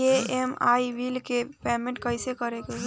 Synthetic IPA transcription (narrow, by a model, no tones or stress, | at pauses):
eemaːiʋilkepɛːmẽɳʈ̚kɐɪsekɐɾeke